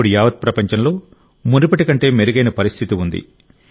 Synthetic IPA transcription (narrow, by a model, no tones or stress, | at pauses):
uɽijaːʋɐd̪̚pɾɐpɐɲt͡ʃɐnlo̞ː | munɾipɐʈikɐɳʈe̞ːmeɾuɡɐjnɐpɐɾist̪ʰit̪iund̪ḭ